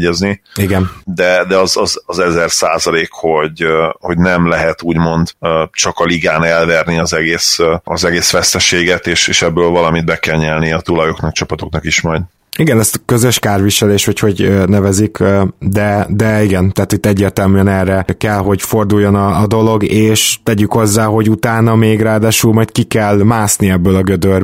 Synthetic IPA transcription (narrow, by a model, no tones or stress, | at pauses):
ɛzniiɡɛnd̪ɛd̪ɛɒzɒzɒzɛzɛrsa̰ːzɒleːkho̞ɟho̞ɟnɛmlɛɦɛt̪uːɟmo̞nd̪t͡ʃɒkɒliɡaːnɛlvɛrniɒzɛɡeːsɒzɛɡeːsʋɛst̪ɛʃeːɡɛt̪eːʃeːʃɛbːøːlvɒlɒmid̪bɛkɛlɲɛlniɒt̪ulɒjoknɒkt͡ʃɒpɒt̪o̞knɒkiʃmɒjd̪ | iɡɛnɛst̪kø̞zøʃkaːrʋiʃɛleːʃʋɒcho̞ɟnɛvɛzikd̪ɛd̪ɛiɡɛnt̪aːt̪it̪ːɛɟːeːrt̪ɛlmyɛnɛrːɛkɛlɦo̞ɟfo̞rd̪ujːo̞nɒːd̪o̞lo̞ɡeːʃt̪ɛɟykhozːaːɦo̞ɟut̪aːnɒmeːɡraːd̪aːʃuːlmɒjt̪kikɛlmaːsniɛbːøːlɒɡød̪ør